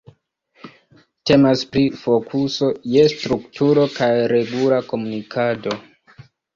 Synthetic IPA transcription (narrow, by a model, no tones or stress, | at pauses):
te̞maspɾifo̞kʰuso̞je̞stɾuktuɾo̞kajɾe̞ɡulako̞munikʰado̞